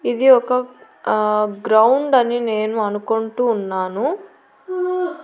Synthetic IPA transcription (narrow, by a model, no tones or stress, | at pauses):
id̪iɔkɐ | ɡɾɐwuɳɖɐnine̞ːnuɐnukoɳʈuːnːaːnu